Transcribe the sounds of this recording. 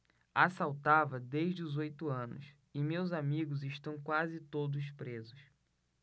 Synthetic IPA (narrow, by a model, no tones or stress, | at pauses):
asawt̪avɐd̪eʒd͡ʒɪuzojt̪ʊɐ̃nʊ̰s | ɪmewzamiɡʊzɪʃt̪ɐ̃w̃kwazɪt̪od̪ʊspɾezʊs